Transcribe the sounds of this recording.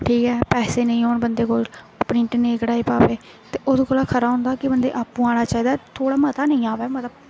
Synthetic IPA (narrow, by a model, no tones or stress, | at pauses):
ʈʰiːkɛːpɛːseːnəĩːɦoːɳbənd̪eːkoːl | pɽɪ̃ɳʈneːkɽaːiːpaːʋeː | t̪eːʔʊskoːlaːkʰəɾaːɦʊ̃ːnd̪aːkɪbənd̪ḛːʔaːpːũːaːɽaːt͡ʃaːiːd̪aːt̪ʰoːɽaːmət̪aːnəĩːaːʋɛːmət̪ləb